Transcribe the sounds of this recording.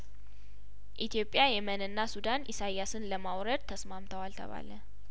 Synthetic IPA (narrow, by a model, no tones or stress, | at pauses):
ʔit̪ʰijo̞pʼjajɛmənɨnːasud̪anʔɪsajːasɨnləmawɾəd̪̚t̪ʰəsmamt̪ʰəwalt̪ʰə̰βa̰lə